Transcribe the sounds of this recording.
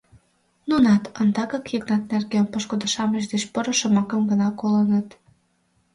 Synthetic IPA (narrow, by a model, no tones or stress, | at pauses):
nunɑt̪ənd̪ɑɣɑkjəknɑt̪̚nerɡenpəʃkod̪əʃɑməʃ̬d̪eʃpəɾə̆ʃəmɑkə̆mɡənɑkolənət̪